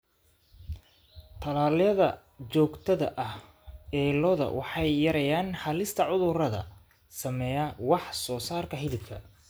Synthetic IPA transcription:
t̪ʰɐlaːljɐðɐ | t͡ʃɔːɡt̪ʰɐðɐ̰ʔɐh | ɛːlɔðɐ̰wʔɑħɑjːɐɾɐjaːnhɐlɪst̪ʰɐʕʊðʊrɐðɐ̰ | sɐmɛːjɐwɑħsɔːsaːrkʰɐɦɪlɪb̚kʰɐ̰

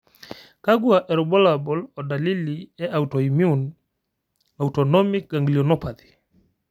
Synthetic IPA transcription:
kaɡwaʔɛɾɔbɔlabɔlɔdaliliɛʔautɔimjun | autɔnɔmik̚ɡaŋɡliɔnɔpaði

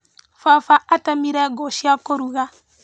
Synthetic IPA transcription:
fafaʔatamiɾɛɡɔʃiakoɾuɣa

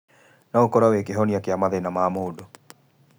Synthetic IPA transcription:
naokɔɾawekeɦɔniakeamaðenamaːmoːdo

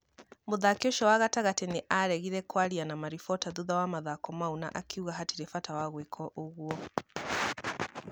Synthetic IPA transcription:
muðakɔʃɔwaɣataɣatɛniʔaɾɛɣiðɛkwaɾianamaɾifɔtaðuðawamaðakɔmauna̰ʔakʰiuɣaɦatiɾɛfatawaɣwɛkʰɔʔuɣuɔ

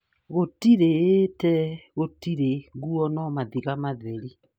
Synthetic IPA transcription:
ɣotiɾeːtɛɣotiɾeŋɡuɔnɔmaðiɣamaðɛɾi

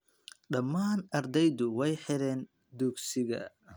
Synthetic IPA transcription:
ɖɐmːaːnɐɾd̪ɛjðʊwɛjħɪɾɛːn | d̪uɡsɪɣɐ̰

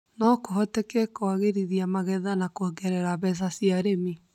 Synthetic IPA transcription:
nɔkoɦɔtekekoaɣeɾiðiamaɣɛðanakoɛɡɛɾɛɾaβɛs̬asiaɾemi

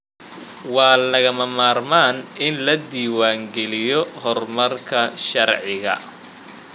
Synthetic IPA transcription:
wɑːlɐɣɐmɐmaːrmaːnɪnlɐd̪iːwaːŋɡɛlɪjɔhɔrmɐrkʰɐʃɐrʕɪɣɐ̰

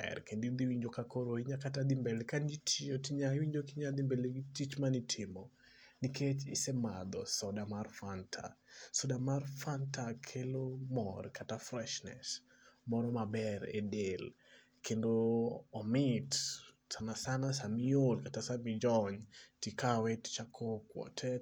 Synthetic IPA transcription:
ɛ̰rkendid̪iwiɲd͡ʒokakoɾoiɲakatad̪imbelekand͡ʒitʰiotiɲawiɲd͡ʒokiɲad̪ɪmbeleɡitit͡ʃmanitʰɪmɔ | nikʰet͡ʃɪ̰sɛmad̪ɔsɔdamarfantʰa̰sɔdamarfantakʰelomɔrkʰatafɾɛʃnɛ̰s | mɔɾɔmabɛɾḛdel | kʰendoːmɪtsanasanasamiolkatasamid͡ʒɔɲtikawɛtt͡ʃakʰɔkwɔ̰tʰɛ

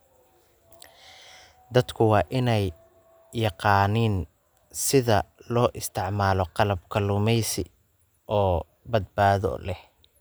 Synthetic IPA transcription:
d̪ɐd̪kʰʊwɑːʔɪnɛjː | ɑqɑːniːn | sɪðɐlɔːʔɪst̪ʰɪʕmaːlɔqɑlɐb̚kʰɐlʊmɛjsɪ̰ | ʔɔː | bɐd̪̚baːðɔ̰lɛh

